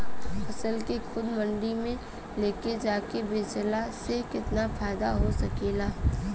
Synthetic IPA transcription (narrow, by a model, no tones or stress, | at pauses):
ɐsəlkexʊd̪mɐ̃ɳɖimẽ | leːked͡ʒaːkebeːt͡ʃəlasekɪt̪nafaːɪd̪aɦosɐkeːlaːɦ